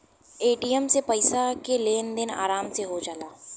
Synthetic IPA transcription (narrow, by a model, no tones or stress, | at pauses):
eːʈijəmsepəɪsakeleːnd̪ɪna̰ːɾaːmseɦod͡ʒalaː